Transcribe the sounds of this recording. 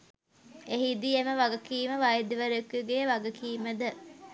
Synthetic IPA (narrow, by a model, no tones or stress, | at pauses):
eɦid̪ieməʋaɡəkiːməʋajed̪iʋəɾekːuɡejəʋaɡəkiːməd̪ə